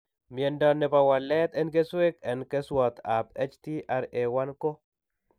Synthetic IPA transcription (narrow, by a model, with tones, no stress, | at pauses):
mjɛ˨ndɔ˨nːɛ˨pa˨wa˨lɛ˦t̪ɛ˦nke˦swe˦kɛ˨nkɛ˦swɔ˨t̪a˨pe˦t͡ʃti˦ʔa˦ɾe˨wa˦nko˦